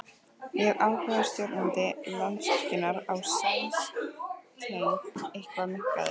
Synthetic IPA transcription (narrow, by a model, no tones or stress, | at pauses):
jɛɣaːwhaːɣðast̪jœwɾt̪nant̪ɪlɔnt̪sɔhcɪnaɾawsaws | t̪ejnehkvamɪhka̰ðɪ̰